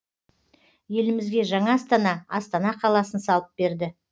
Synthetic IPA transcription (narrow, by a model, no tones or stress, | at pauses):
je̞lɪmɪzɡʲe̞ʒɑɴɑst̪ɑnɑɑst̪ɑnɑqʰɑlˠɑsənsɑlˠəp̚be̞ɾd̪ɪ